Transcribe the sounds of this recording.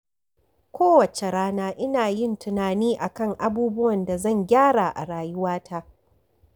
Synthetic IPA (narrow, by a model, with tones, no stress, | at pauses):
kʷoː˦wɐ˨t͡ʃe˨ɽaː˦naː˦ʔɪ˦naː˨jɪ˦˨ntʊ˨naː˨niː˦ʔa˨kɐ˦ŋʔa˦buː˦bʊ˦wɐ˨nda˨zɐ˦˨ŋɡʲaː˦ɽa˨ʔa̰˨ɽaː˨jʊ˦waː˦tʰa˦ʔ